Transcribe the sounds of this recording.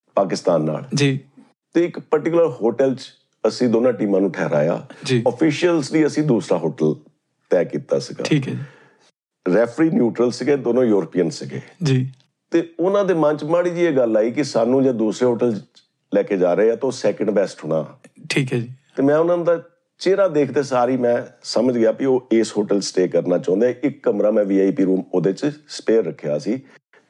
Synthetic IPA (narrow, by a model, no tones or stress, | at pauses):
paːkɪst̪aːnːa̰ːld͡ʒiː | t̪eːɪkpəɾʈɪkʊləɾhoːʈɛlt͡ʃ | əsĩːd̪oːnãːʈiːmãːnũːʈʰɛːɾa̰ːja̰ːd͡ʒiːɔpʰɪːʃijəlsliːəsĩːd̪uːsɾaːɦoːʈəl | t̪ɛːkiːt̪a̰ːsəɡa̰ːiːkɛi | ɾɛːpʰɾiːnjuːʈɾəlsɪɡeːd̪oːnõːjuːɾəpiːjənsɪɡḛːd͡ʒiː | t̪eːʊnãːd̪eːmə̃nt͡ʃmaːɽiːd͡ʒiːeːɡəlaːiːkɪsaːnũːd͡ʒeːd̪uːsɾeːɦoːʈəl | lɛːkeːd͡ʒaːɾəeɛːt̪eoːsɛːkə̃ɳɖbɛːsʈɦʊːɽ̃a̰ːʈʰiːkɦd͡ʒiːt̪eːmɛ̃ːʊnãːnːd̪aː | t͡ʃeːɾaːd̪eːkʰd̪eːsaːɾiːmɛ̃ːsəməd͡ʒɡɪjaːpɪoːeːsɦoːʈəlsʈeːkəɾnaːt͡ʃɔ̃ːnd̪jãːʔɪkːəmɾaːmɛ̃ːʋiːaːipiːɾuːmoːd̪eːt͡ʃsə̥peːɾːəkʰeja̰ːsiː